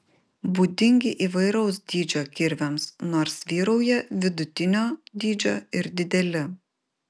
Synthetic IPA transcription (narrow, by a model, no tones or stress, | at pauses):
buːd̪ʲɪŋʲɡʲɪʔiːʋɐɪɾɐʊsd̪ʲiːd͡ʒʲoːkʲɪɾʲʋʲɛmsnoːɾsʋʲiːɾɐʊjɛʋʲɪd̪ʊt̪ʲɪnʲoːd̪ʲiːd͡ʒʲoːɪɾd̪ʲɪd̪ʲɛlʲɪ